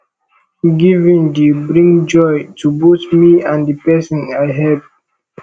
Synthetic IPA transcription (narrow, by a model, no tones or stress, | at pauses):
ɡivĩndibɹĩŋd͡ʒɔjtubotmiãndipɛsɔ̃najɦɛp̚